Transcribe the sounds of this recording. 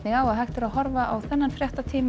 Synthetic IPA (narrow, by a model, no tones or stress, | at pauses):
nɪɣaːwaðɦajht̪ɪɾaðhɔɾvaʔawθɛnːanfɾjaht̪at̪ʰiːm